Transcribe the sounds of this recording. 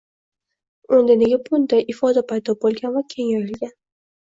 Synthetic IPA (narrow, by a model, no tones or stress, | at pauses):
ond̪aneɡʲabʊnd̪ajɪfɒd̪apʰajd̪ɒbolˠɡʲanvakʲʰe̞ŋaɾɪlɡʲan